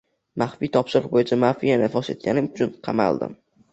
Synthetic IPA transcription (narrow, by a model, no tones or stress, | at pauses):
maχfit̪ʰɒpʃɪɾqbojɪt͡ʃʰamafijanɪfɒse̞̰t̪̚ɡʲanɪmʊt͡ʃʰʊnqʰɑma̰lˠd̪ɪ̰m